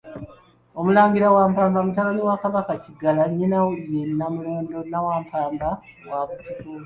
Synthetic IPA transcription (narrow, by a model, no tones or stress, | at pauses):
omulaːŋɡiɾawaːmpaːmbamutaloɲiwakaβakaciɡalaɲːinajenːamuloːndo̞nawaːɱfaːmba | waβutiku